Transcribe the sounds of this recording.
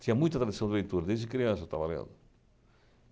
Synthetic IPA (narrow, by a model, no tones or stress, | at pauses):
t̪ĩɲɐmũjt̪ɐt̪ɾaðisɐ̃w̃d̪eβẽnt̪uɾɐd̪ezɪkɾiãnsɐt̪a̰βalea̰ðʊ